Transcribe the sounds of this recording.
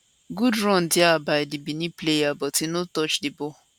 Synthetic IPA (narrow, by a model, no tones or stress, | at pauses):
ɡudɾɔn̩dɪabaɪdɪbiniplejabɔtɪnʊtɔt͡ʃdɪbɔ